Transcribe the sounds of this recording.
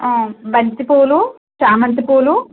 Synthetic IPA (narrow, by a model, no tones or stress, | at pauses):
oːbɐɲt̪ipoːlu | ʃaːmɐnt̪ipoːlu